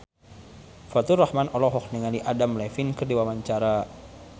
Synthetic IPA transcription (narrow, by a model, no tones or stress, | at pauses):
fat̪urahmanɔlɔɦɔkniŋaliʔadamlɛfinkərdiwamaɲt͡ʃaɾa